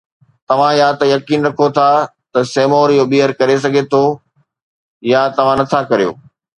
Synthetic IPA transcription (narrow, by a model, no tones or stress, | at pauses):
t̪ɐʋ̤ãɪjat̪ɐjɐkiːnɾɐkʰot̪ʰat̪ɐseːmoːɾjobiɦəɾkɐɾes̬ɐɡʱet̪ʰo | jat̪ɐʋ̤ãnɐt̪ʰakɐɾijo̰ː